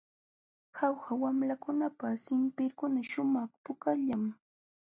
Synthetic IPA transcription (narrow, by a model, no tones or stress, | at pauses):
xawxawamlakʊnapasɪmpɪɾkʊnaʃʊmɑχpʊkaʎam